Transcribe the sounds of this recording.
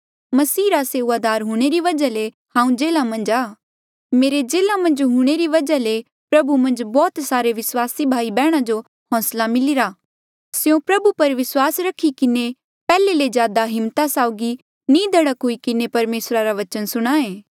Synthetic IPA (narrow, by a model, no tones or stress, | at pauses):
mɐsiːɾaseːuaːd̪aːɾɦuːɽ̃eɾiʋɐd͡ʒale | hãːũd͡ʒeːlamɐ̃nd͡ʒaː | meːɾed͡ʒeːlãmɐ̃nd͡ʒɦuɽ̃eɾiʋɐd͡ʒale | pɾɐbumɐ̃nd͡ʒbɔːt̪saːɾeʋɪswaːsibʱaːibɛːɽ̃ad͡ʒo | hɔ̃ːslamɪlɪɾa | sjõpɾɐbupɐɾʋɪswaːsɾɐkʰːikɪne | pɛːlelezjaːd̪aɦɪ̃mt̪asaːʊɡi | nĩːd̪ʱɐɽəkɦuikɪnepɐɾmeːsɾaɾaʋɐt͡ʃənsʊɽ̃aːẽː